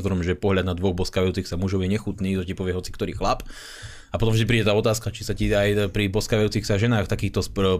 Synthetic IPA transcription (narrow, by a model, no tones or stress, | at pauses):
zɔɾɔmʒɛpɔɦlʎad̪nad̪ʋɔɣbɔskaːʋajuːt͡sixsamuʒɔʊjɛɲɛxut̪niːt̪ɔcipɔʋɪɛɦɔt͡si̥kt̪ɔɾḭːxlap | apɔt̪ɔmʒd̪ipɾiːɟɛt̪aːɔt̪aːskat͡ʃisaciajpɾibɔskaːʋajuːt͡sixsaʒɛnaːxt̪akiːxt̪ɔs